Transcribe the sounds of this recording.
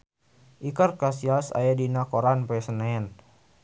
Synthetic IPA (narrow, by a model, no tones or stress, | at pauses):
ʔikərkasiasa̰jadinakoɾanpɛsənaɛn